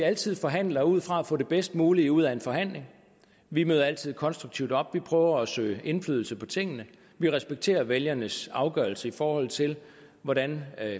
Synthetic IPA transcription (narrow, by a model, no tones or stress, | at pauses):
iæl̰t͡sʰið̞̰ˠfɒ̽ɦæn̰lɐuð̞̰ˠfʁɑ̈æfɔ̰̽ːd̥e̝b̥esd̥muːliuð̞̰ˠæe̝nfɒ̽ɦæn̰le̝ŋ | ʋimøːð̞ˠɐæl̰t͡sʰið̞̰ˠkʰɒ̽nsd̥ʁuɡ̥t͡sʰiʊd̥ɒ̽b̥ʋipʰʁœːʊɐæsø̰ːɪʔe̝nflyðˠl̩səpʰɒ̽t͡sʰe̝ŋ̰ənə | ʋiʁɛsb̥eɡ̥̚t͡sʰe̝̰ːɐʋeljɐnəsɑ̈ʊɡ̥œːɐl̩səifɒːhɒ̽l̰̩ˠt͡sʰe̝l | ʋɒɾæn